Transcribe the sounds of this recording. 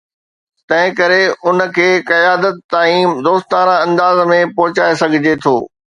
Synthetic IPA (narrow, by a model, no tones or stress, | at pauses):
t̪ɐ̃ɦɪ̃kɐɾeʊnə̆kʰeːkɐjaːd̪ət̪ːaːĩːmd̪oːst̪ãːɾãɐ̃nd̪aːzmẽpɔɦʊt͡ɕaːesɐɡʱɪd͡ʑet̪ʰo̰ː